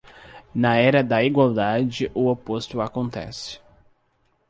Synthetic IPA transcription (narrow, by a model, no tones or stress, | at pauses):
nɐɛɾɐd̪ɐiɡwawd̪ad͡ʒɪʔʊopost̪ʊakõnt̪ɛ̰sɪ̥